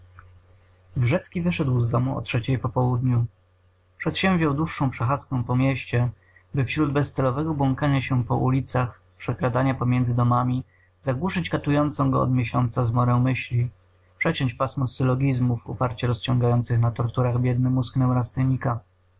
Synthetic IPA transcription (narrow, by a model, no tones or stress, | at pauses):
vʐɛt̪skʲivɘʂɛd̪wzd̪ɔmuɔ̰tʂɛt͡ɕɛjpɔpɔwud̪ɲu | pʂɛt̪ɕɛ̃mvʑjawd̪wuʂːɔ̃w̃pʂɛxat̪skɔ̃w̃pɔmʲjɛɕt͡ɕɛ | bɘfɕɾud̪bɛst̪sɛlɔvɛɡɔbwɔŋkaɲaɕɛpɔ̰ʔulʲit̪sax | pʂɛklad̪aɲapɔmʲjɛnd̪zɘd̪ɔmamʲi | zaɡwuʂɘt͡ɕkat̪ujɔnt̪sɔ̃w̃ɡɔ̰ɔ̰d̪mʲjeɕɔnt̪sazmɔɾɛ̃w̃mɘɕlʲi | pʂɛt͡ɕɔ̃ɲt͡ɕpasmɔsɘlɔɡʲizmufṵpaɾt͡ɕɛɾɔst͡ɕɔ̃ŋɡajɔnt̪sɘxnat̪ɔɾt̪uɾaɣbʲjɛd̪̚nɛmusknɛwɾast̪ɛɲika